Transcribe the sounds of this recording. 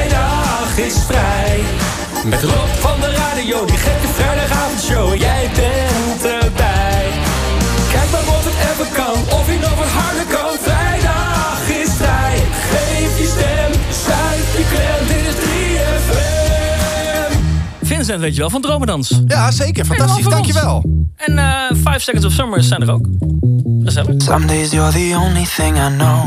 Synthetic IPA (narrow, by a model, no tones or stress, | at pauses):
jdɑ | χɪsfrɛj | mɛtrɔpfɑndəraːdijowdiχɛfjəfrɛjdɑχaːvɔndʃowjɛjbɛntəbɛjj | kɛjk̚manɔfətɛfəkɑnɔfinɔχətɦɑɹdəkɑnfrɛjdɑ | χɪsfrɛjχejfəstɛmsɛfəkɛɪtɪsdriɛfɛ | m | fɪnsɛntʋejtəʋɛlˠfɑndrowmədɑnsjasejkəɹftɑsisdkjəʋɛlˠɛnəfɛjfsɛkənsɔfsoməɹsɛjndəɾo̰ʊwk | χəzɛləsʌ̰̃mdeɪziəðiõʊ̃nliθɪ̃ŋaɪnoʊ